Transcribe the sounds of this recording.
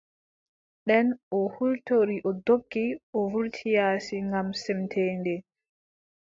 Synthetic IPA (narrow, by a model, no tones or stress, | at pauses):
ɗɛnʔɔhultoɾiʔɔdokːiʔɔvuɾtʰijaːsiŋɡamsɛmtʰɛːndɛ